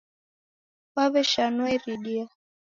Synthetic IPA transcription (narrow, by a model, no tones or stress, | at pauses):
waβɛʃanuɛɾiɗia